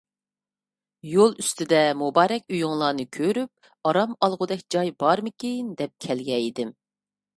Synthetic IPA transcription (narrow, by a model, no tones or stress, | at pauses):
jolˠyst̪ʰɪd̪ɛmubɑːɾɛkʲyjuŋlˠɑːnɨkʲʰøɾyp̚ | ɑɾɑmɑlˠʁʊd̪ɛkʲd͡ʒɑjbɑɾmɪkʲejnd̪ɛp̚kʲʰɛlɡʲɛid̪ɪm